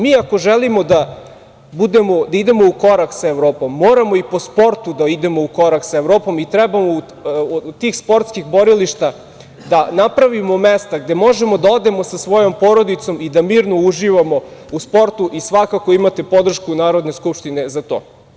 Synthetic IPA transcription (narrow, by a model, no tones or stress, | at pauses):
miːakoʒelimo̞d̪a | bud̪e̞mo̞d̪aid̪e̞mouko̞ɾaksaeʋɾoːpo̞mːoːɾamo̞ipo̞spo̞ɾt̪ud̪aid̪e̞mouko̞ɾaksaeʋɾo̞ːpo̞mit̪ɾɛbamou | t̪iːxspo̞ɾt̪skixbo̞ɾiliʃt̪a | d̪anapɾaʋimo̞mest̪aɡ̚d̪e̞mo̞ʒe̞mo̞d̪ao̞d̪e̞mo̞sasʋo̞jo̞mpo̞ːɾo̞d̪it̪so̞mid̪amiːɾno̞uʒiʋamo̞uspo̞ɾt̪uʔisʋakakoimat̪e̞po̞d̪r̩ʃkunaːɾo̞d̪neskupʃt̪ine̞zat̪o̞ː